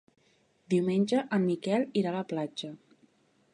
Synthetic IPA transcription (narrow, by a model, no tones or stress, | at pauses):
d̪iwmenʲd͡ʒəʔəmːikɛliɾaləplad͡ʒə